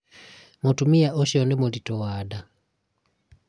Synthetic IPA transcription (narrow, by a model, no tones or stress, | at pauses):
mɔtumiaʔɔʃɔnɛmɔlitɔwada